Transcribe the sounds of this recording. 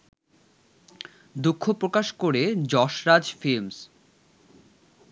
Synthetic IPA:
d̪ukʰːopɾokaʃkoɾed͡ʑɔʃɾad͡ʑfilms

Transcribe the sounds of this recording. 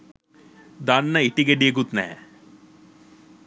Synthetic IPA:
d̪anːɐiʈiɡeɖieɡut̪nɛ̰ɛ̰

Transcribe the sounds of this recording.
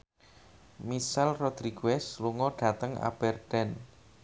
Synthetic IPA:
misɛlrɔd̪̥ɾiɡ̥wɛsluŋɔɖ̥ä̤t̪əŋa̰b̥ɛrd̪̥ɛn

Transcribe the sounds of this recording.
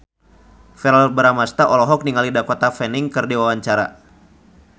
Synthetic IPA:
fɛɾalbəɾamast̪aʔɔlɔɦɔk̚niŋalidakɔt̪afɛniŋkɨrdiwawaɲt͡ʃaɾa

